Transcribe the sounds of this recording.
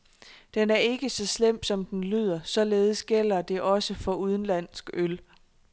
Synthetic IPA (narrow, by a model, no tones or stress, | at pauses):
d̥enæɐe̝ɡ̥əsɒ̽slem̰̥sɒ̽md̥enly̰ːð̞ˠɐsɒ̽le̝ːð̞̩ˠəsɡ̥el̰ɐd̥e̝ʔɒ̽səfɒ̽uð̞ˠn̩læn̰sɡ̥øl